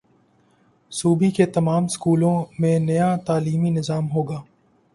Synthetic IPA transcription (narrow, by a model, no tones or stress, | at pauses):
suːbiket̪ɐmaːmskuːlõmẽnɐjaːt̪aːliːminɪzaːmɦoːɡaː